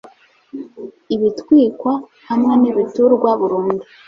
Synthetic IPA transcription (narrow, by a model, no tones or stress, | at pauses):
iβitwiːkwa | hamŋe̞niβituɾɡwaβuɾuːndu